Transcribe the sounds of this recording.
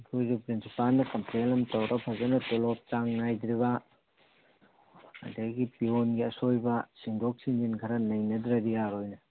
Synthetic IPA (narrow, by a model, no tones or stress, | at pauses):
ɡojzupɾinsipalnɐkɐmplelɐmtɐwɾʔɐpʰɐzɐnɐtolop̚t͡ʃaŋnajd̪ɾiβɐ | ɐ̰dɐɡipionɡiɐsojbɐsiŋdʱok̚sind͡ʒinkʰɐɾɐnɐjnɐdɾɐɾijaɾojnɐ